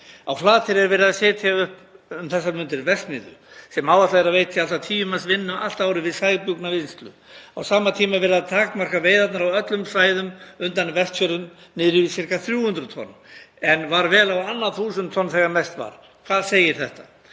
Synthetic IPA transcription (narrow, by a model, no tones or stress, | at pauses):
a̰wflaːt̪ʰɪɾɛɾvɛːɾɪaðsɛːt̪ʰjaʏhpʏmθɛsːaɾmʏnt̪ɪɾvɛst̪mɪːðʏ̰sɛmaːwvat̪laɛɾavejt̪ialt̪at̪ʰiːʏmasvɪnːʏʔal̥t̪aːwɾɪvɪðsaːjɣpʏknavɪnst̪lʏ̰ | awsaːmat̪ʰiːmavɛɾaðt̪ʰaːkmar̥kaveːjðat̪naɾawœt̪lʏmsaːjðʏmʏnt̪anvɛst̪fœɾʏmnɪːðɾʏvisɪr̥kaθɾjuːhʏnt̪ɾʏt̪ʰɔ̰nːɛnvaɾvɛːlawanːaθuːsʏnt̪ʰːɔnθɛɣamɛst̪va̰ɾ̥ | kʰvaðseːjɪɾ̥θɛht̪a